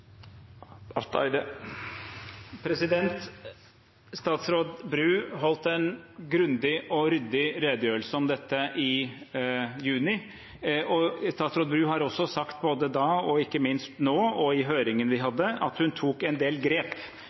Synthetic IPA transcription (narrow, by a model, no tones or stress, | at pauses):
ɑɾt̪æ̰ɪd̪ə | pʰɾɛsɪd̪ɛnt̪ | st̪ɑːt̪sɾoːd̪bɾʉːɦɔlt̪ɛnɡɾʉnd̪ɪʔɔɾʏd̪ɪɾeːd̪əjøːɾəlsəɔmd̪ɛt̪ːəʔɪ | jʉːnɪ | ɔst̪ɑːt̪sɾoːbɾʉːɦɑɾɔsːɔsɑkt̪boːd̪əd̪ɑːɔɪkːəmɪnst̪noːɔɪɦøːɾɪŋənʋɪɦɑd̪ːəʔɑt̪hʉnt̪ʰuːkɛnd̪eːlɡɾeːp